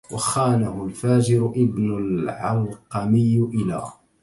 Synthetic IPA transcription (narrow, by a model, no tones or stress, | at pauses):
wɑxaːnahʊlfaːd͡ʒɪɾʊʔɪbnʊlʕɑlqɑmɪjːʔɪla̰ː